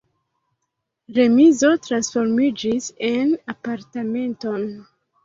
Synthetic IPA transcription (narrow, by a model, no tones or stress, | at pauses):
ɾe̞mizo̞tɾansfo̞ɾmid͡ʒisenapaɾtame̞nto̞n